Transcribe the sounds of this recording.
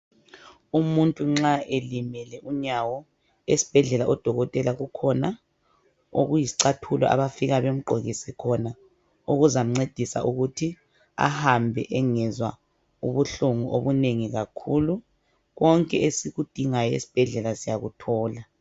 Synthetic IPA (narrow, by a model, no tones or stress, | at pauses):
umuntʼuŋ͡ǁaʔelimɛlɛʔuɲawɔ | esi̥b̥ʱɛɮɛlaʔɔd̥ʱɔɣɔtʼɛlaɣukʰɔna | o̰ɣujisi̥ǀatʰulɔ̰ʔa̰βafiɣaβem̩ǃʱoɣisikʰɔna | uɣuzam̩ŋ͡ǀed̥ʱisa̰ʔuɣutʰi | a̰hambʱɛ̰ʔɛŋɛzwa̰ | uβuɬuŋuʔoβuneŋiɣakʰulu | ɣɔŋkʼɛʔesiɣud̥ʱiŋajɔḛsi̥b̥ʱɛɮɛlasijaɣutʰɔːla